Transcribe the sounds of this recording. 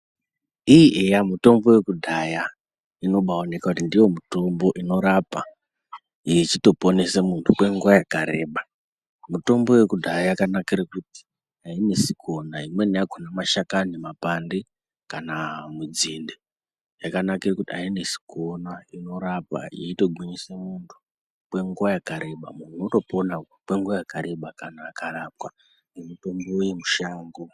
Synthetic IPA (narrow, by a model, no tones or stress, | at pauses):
iiʔejamuto̞mbo̞we̞kudʱaja | ino̞ɓaone̞kakutindijo̞muto̞mbo̞ʔino̞ɾapa | it͡ʃito̞po̞ne̞semuntʰukwe̞ŋɡuajakaɾe̞ːɓa | muto̞mbo̞we̞kudʱajajakanakirakuti̥ | aine̞sikʰo̞naimwe̞nijakonamaʃakanimapande | kanamud͡zinde | jakanakirakutiaine̞si̥kʰo̞naino̞ɾapa̰jeito̞ɡʱiɲisemuntʰu̥ | kwe̞ŋɡuwajakaɾe̞ɓa̰mun̤uuto̞pona | kwe̞ŋɡuʋajakaɾe̞ɓakanaːkarap̚ka | nemuto̞mbo̞ujemuʃaːŋɡo